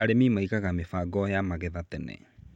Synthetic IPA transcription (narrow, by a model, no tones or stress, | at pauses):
aɾemimaikaɣamefaːɡɔjamaɣɛðatɛnɛ̰